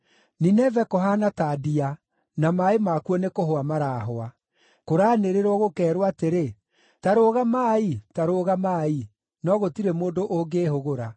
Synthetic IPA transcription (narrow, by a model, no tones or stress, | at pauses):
ninɛvɛkɔɦanataːdia | namaemakuɔnekoɦoamaɾaɦoa | koɾaːneɾeɾwɔɣokɛːɾwateɾe | taɾoːɣamaːitaɾoɣamaːi | nɔɣotiɾemoːndoʔoɡeːhoɣoɾa